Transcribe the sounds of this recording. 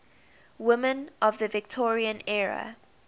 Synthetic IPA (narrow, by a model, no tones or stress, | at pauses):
wɪmə̃nʔɔvðəvɪk̚tʰɔɹiə̃nɛɹə̰